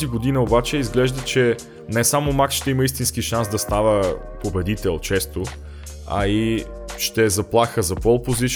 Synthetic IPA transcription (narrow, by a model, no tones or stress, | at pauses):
ziɡod̪inəobat͡ʃɛizɡlɛʒd̪ət͡ʃɛ | nɛsamomakʃt̪ɛiməist̪inskiʃansd̪ɐst̪avə | pobɛd̪it̪ɛlˠt͡ʃɛst̪o | ɐ̰i | ʃt̪ɛːzɐplˠaxəzɐpɔlˠpozit͡ʃ